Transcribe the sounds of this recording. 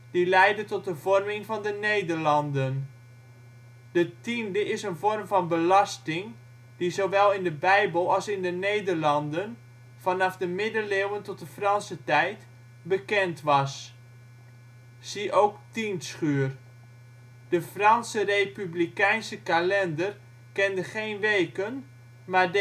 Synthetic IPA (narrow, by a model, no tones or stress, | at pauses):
d̥ilɛjdətɔt̚dəvɔrmɪŋvɑndənejdərlɑndən | d̥ətindəʔɪsənvɔrmvɑnbəlɑstɪŋ | d̥izoʋɛlˠɪndəbɛjbəlˠɑlˠsɪndənejdərlɑndən | fɑnɑfdəmɪdəlewəntɔt̚dəfrɑnsətɛjt | bəkɛntʋɑs | iʔowktinsχyːər | d̥əfrɑnsərejpyblikɛjnsəkalɛndər | kɛndəχejnʋejkən | maːd